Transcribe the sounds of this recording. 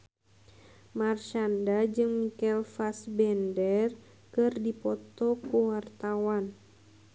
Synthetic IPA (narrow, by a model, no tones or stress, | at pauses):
mart͡ʃandad͡ʒɨŋmikɛlfasbɛndɛr | kɨrdipɔt̪ɔkuwart̪awan